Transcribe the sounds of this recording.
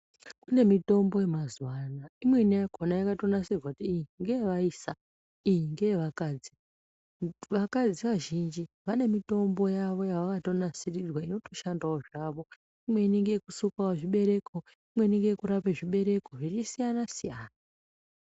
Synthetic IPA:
kune̞mito̞mbo̞je̞mazwanaimwe̞inajakʰonajakatonasirwautiːiŋɡeeʋaiːsa | ijiŋɡe̞eʋakaːd͡zi | ʋakad͡ziʋaʒind͡ʒi | ʋane̞mito̞mbo̞jaʋo̞jaʋakato̞nasirirwaino̞to̞ʃandaoʐaʋo̞ | imwe̞iniŋɡejekusukawaʐiɓe̞ɾe̞kʰo | imwe̞iniŋɡejekuɾapeʐiɓe̞ɾe̞ko̞ʐit͡ʃisijanasijaːna

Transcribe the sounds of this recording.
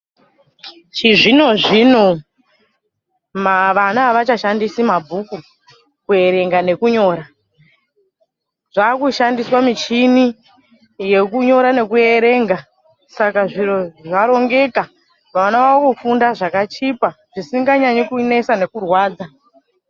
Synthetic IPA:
t͡ʃiʐino̞ʐino̞ | maʋanaʋat͡ʃaʃandisimabʱuku | kue̞ɾe̞ŋɡane̞kuɲo̞ːɾa | ʐ̥aːkuʃandiswamit͡ʃini | je̞kuɲo̞ɾane̞kue̞ɾe̞ːŋɡa | sakaʐiro̞ʐaɾo̞ŋɡe̞ka | ʋaanaʋakufundaʐakat͡ʃipa | ʐ̥isiŋɡaɲaɲekune̞sane̞kurwaːd͡za

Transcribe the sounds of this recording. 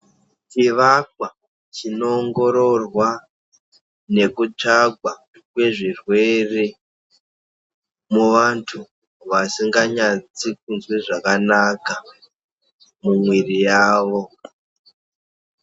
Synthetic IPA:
t͡ʃiʋakwa | t͡ʃino̞ːŋɡo̞ɾo̞rwa | ne̞kut͡ʂaɡwa | kwe̞ʐirwe̞re̞ | muʋantʰu | ʋasiŋɡaɲat͡sik̚unzweʐakanaka | mumwirijaːʋo̞

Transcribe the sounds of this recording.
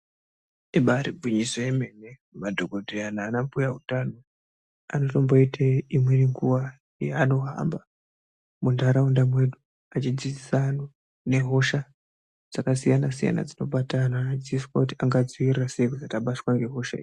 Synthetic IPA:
eɓaɾiɡʱwiɲisojeme̞ne | madʱoɡʱodʱejanaːnampujaɦutano̞ | ano̞to̞mbo̞itʰaimwe̞niŋɡuʋa | jeano̞ɦa̰mba | mundʱaɾaundamwe̞du | at͡ʃid͡zid͡zisano | ne̞ɦo̞ʃa | d͡z̥akasijanasija̰na̰d͡zino̞ɓatananad͡ziiswakutiaŋɡad͡ziʋiraseikud͡zataɓaswaŋɡe̞ɦo̞ʃa̰ḭji

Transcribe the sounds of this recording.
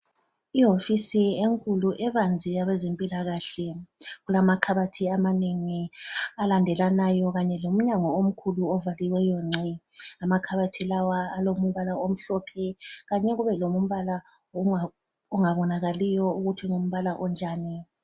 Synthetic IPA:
iɦofisieŋkʼuluʔɛβand͡zʱijaβɛzempʼilaɣaɬɛɣulamakʰaβatʰiamaniŋialandʱɛlanajɔɣaɲɛlom̩ɲaŋɔom̩kʰuluɔvaliwɛjɔŋ͡ǀʱi | amakʰaβatʰilawaːlomuβalaom̩ɬɔpʰɛɣaɲɛɣuβɛlomum̩βala | ɔŋaβɔnaɣalijɔuɣutʰiŋom̩βalaʔɔnd͡ʒʱaːni

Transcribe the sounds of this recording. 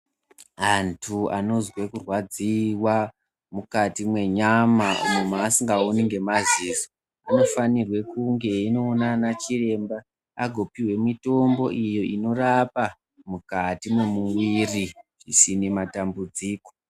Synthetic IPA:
antʰua̰no̞zwe̞kurwad͡ziwa | mukatimwe̞ɲamaṵmumaːsiŋɡaoniŋɡe̞maziːzo | ano̞fanirwe̞kuŋɡe̞ino̞ːnanat͡ʃire̞mbaː | ɡʱo̞piwe̞mito̞mbo̞̰ʔijo̞ʔino̞rapa | mukatimwe̞muwiriʐisinematambud͡ziːko

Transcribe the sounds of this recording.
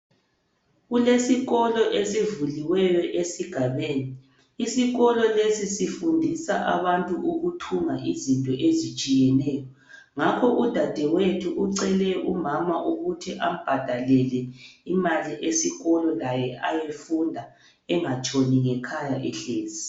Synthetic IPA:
ɣulesiɣɔlɔʔesivuliwɛjɔʔesiɡ̥ʱaβeːniː | siɣɔlɔlesisifundʱisaʔa̰βantʼuʔuɣutʰuŋaʔizintʼɔʔezit͡ʃʼijɛnɛːjɔ | ŋakʰɔʔud̥ʱad̥ʱɛwetʰuʔuǀɛlɛʔumamaʔuɣutʰiʔam̩b̥ʱad̥ʱalɛlɛimaliʔesiɣɔlɔlajɛajefundʱa | ɛŋat͡ʃʼoniŋɛkʰajaʔɛɬeːzi

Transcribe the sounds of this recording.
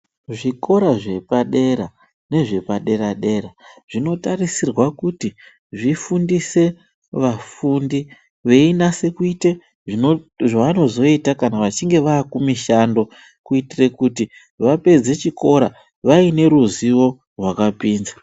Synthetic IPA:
ʐiko̞ɾaʐe̞paɗe̞ɾa | ne̞ʐe̞paɗe̞ɾaɗe̞raʐ̥ino̞tarisirwakuti | ʐifundise̞ | ʋafundi | ʋe̞inase̞kuite | ʐiʐaʋano̞zo̞itakanaʋat͡ʃiŋɡe̞ʋaːkumiʃando̞ | kuitire̞kuti | ʋape̞d͡ze̞t͡ʃiko̞ɾa | ʋaine̞ɾuziwo̞ | rwakapiːnza

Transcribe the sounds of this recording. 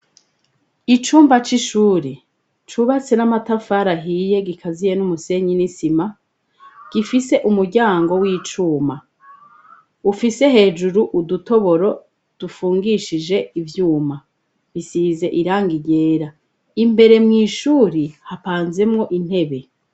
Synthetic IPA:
it͡ʃuːmbat͡ʃiʃuːɾi | t͡ʃuβat͡se̞namatafaɾaɦije̞ɡikʰazije̞numuse̞ɲinisima | ɡ̥ifise̞ʔumuɾɟaːŋɡo̞wiːt͡ʃuːma | ufise̞ɦe̞ːd͡ʒuɾuʔuduto̞βo̞ɾo̞ | d̥ufuːŋɡiʃid͡ʒe̞ivjuːma | βisiːze̞ʔiɾaːŋɡiɟe̞ːɾa | imbe̞ɾe̞mŋiːʃuːɾihapaːnze̞mŋo̞ʔin̥he̞βe̞

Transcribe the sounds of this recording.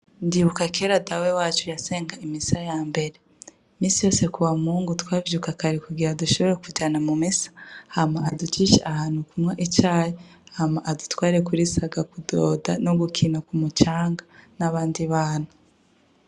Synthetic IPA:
ndiβukakeɾadawewaːt͡ʃujase̞ːŋɡaimisajaːmbe̞ɾe̞ | miːsijo̞ːse̞kuwamuːŋɡutwaːvjukakaɾikuɡiɾaduʃo̞βe̞ɾekuɟaːnamumisḁhamaʔadut͡ʃiʃḛʔahaːn̥hukumŋaʔit͡ʃaːjehamaʔadutwaːɾiɾekuɾisaɡakudoːdanoɡukʰinakumut͡ʃaːŋɡanaβaːndiβaːnhu

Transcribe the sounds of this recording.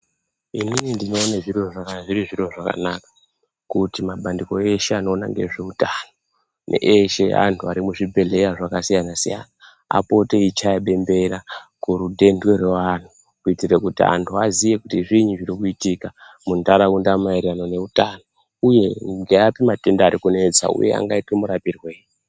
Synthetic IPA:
ininindino̞ːnaʐirwoʐakaʐiɾiʐiroʐaka̰nakḁ | kutimaɓandiko̞e̞ʃeano̞ːna̰ŋɡe̞̰ʐe̞utano | nḛʔeʃḛʔa̰ntʰuaɾimuʐibʱe̞ɮe̞ɾaʐakasijanasija̰ːna | a̰po̞te̞it͡ʃajaɓe̞mbe̞ɾakuɾudʱe̞ndwereʋan̤u | kuitirekutia̰ntʰuazije̞kutiʐiɲuʐirikuitika | mundaɾaundamaiɾanone̞utaːno | uje̞ɡeapimate̞ndaːɾikune̞d͡za̰ṵje̞̰a̰ŋɡaitimuɾapirweːi

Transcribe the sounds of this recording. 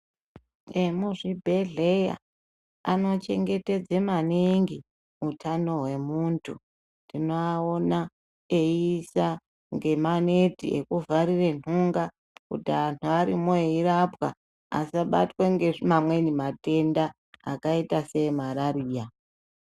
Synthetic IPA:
emuʐibʱe̞ɮe̞ja̰ | ano̞t͡ʃe̞ŋɡe̞te̞d͡zemaniŋɡi | utʰano̞ɦwe̞muntʰu | ndino̞ao̞na | eisa | ŋɡe̞manetḭʔḛkuvaɾire̞nuŋɡa | kṵtianuaɾimoirapwa̰ | a̰saɓa̰tweŋɡe̞ʐimamwe̞nimate̞nda̰ː | kaitase̞maɾaɾiːja

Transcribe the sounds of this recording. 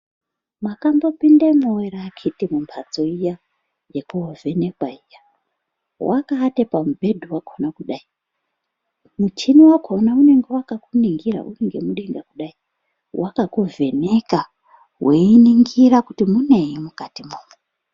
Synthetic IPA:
makambo̞pindemoweɾakʰitimumpʰat͡so̞ija | jekuovʱe̞nekwaija | wʔakaːtepamubʱe̞dʱuwakʰonakuɗai | mut͡ʃiniwakʰonaune̞ŋɡe̞wakakuniŋɡiɾa̰ʔṵneŋɡe̞̰muɗe̞ŋɡakuɗai | wʔakakuve̞neka | wʔeiniŋɡiɾakutimune̞jimukatimumu

